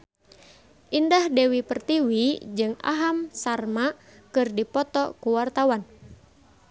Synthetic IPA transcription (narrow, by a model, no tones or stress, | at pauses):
ʔindahdewipərt̪iwid͡ʒɨŋa̰ɦamsarmakɨrdipɔt̪ɔkuwart̪awan